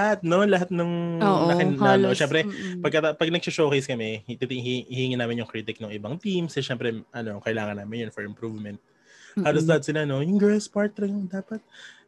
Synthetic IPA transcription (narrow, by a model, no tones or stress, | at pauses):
lɐhat̪̚no̞lɐɦat̪̚nɐŋnɐkɪnɐnoʃɛmpɾɛpɐɡ̚kːɐt̪apɐɡ̚nɐɡ̚sʊʃowkejskɐmɛt̪it̪ɪŋhihiŋinaːmɪnjʊŋkɾiːt̪ɪk̚noŋʔɪbɐŋt̪imsɛʃɛmpɾɛʔɐno̞kɐʔɪlaːŋɐnːaːmɪnjonfɛɹɪmpɾuvmɛnt̪̚ | haːlos̬d̪ɐɐd̪̚sɪlano̞jʊŋɡɛspaɹt̪ɾɛŋʊŋd̪aːpɐt̪̚